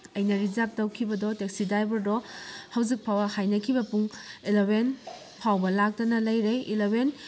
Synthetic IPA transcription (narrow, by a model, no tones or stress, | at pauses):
ɐjnɐɾizap̚tɐwkʰibɐdɔtek̚sidajbɐɾdɔhɐwzik̚pʰawɐhajnɐkʰibɐpuŋilowen | pʰawbɐlak̚tɐnɐlɐjɾeilowen